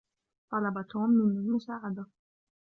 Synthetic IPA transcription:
t̪ˤɑlɑbat̪hʊmːɪnalmʊsaːʕad̪a

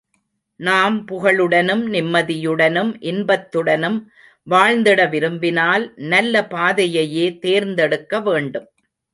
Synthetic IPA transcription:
naːmpʊɣɐɭɯɽɐnɯmnɪmːɐðɪjɯɽɐnɯmʔɪnbɐt̪ːɯɽɐnɯm | ʋaːɻnd̪ɪɽɐʋɪɾɯmbɪnaːlnɐlːɐpaːðɐjɐjeːt̪eːɾnd̪ɛɽɯkːɐʋeːɳɖɯm

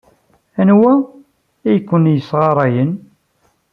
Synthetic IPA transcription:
ænwæ | æjkʷːənjəsʁɑɾˤɑjən

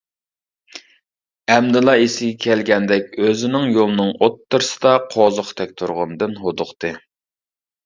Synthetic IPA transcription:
ɛmd̪ɨlˠɑisɪɡʲɛkʲʰɛlɡʲɛnd̪ɛkʲøzɪnɪŋjolˠɨnɨŋot̪ʰːɨɾɨsɨ̥d̪ɑqʰozʊqt̪ʰɛk̚ʲt̪ʰuɾʁɑ̰nd̪ɨnɦod̪ʊqt̪ʰɨ

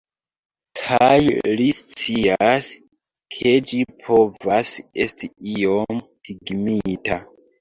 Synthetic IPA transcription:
kʰajlist͡sias | kʰe̞d͡ʒipʰo̞vase̞stiio̞m | hiɡmitʰa

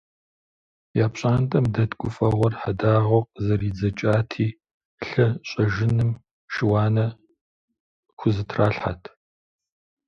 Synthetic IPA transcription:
jaːpɕʼaːntʼɐmdɐtkʷʼʊfʼɐʁʷɔrħadaːʁɔqzɐriːd͡zɐt͡ʃʼaːtʰiː | ɬɐɕʼɐʒɪnɨm | ʃɪwɑːnɐ | xʷʊzɨtʰraːɬħa̰tʰ

